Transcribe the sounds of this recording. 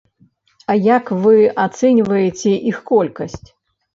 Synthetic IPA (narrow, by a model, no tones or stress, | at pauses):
ɐjakvɨat̪sɛnʲvɐjet͡sʲɛʔixkɔlʲkɐsʲt͡sʲ